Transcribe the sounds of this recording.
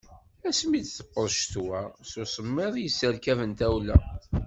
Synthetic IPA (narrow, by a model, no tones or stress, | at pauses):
æsmid̪θə̥qːəɾˤʃt̪wæsusˤəmːɪðˤjəsːəɾkævənt̪æwlæ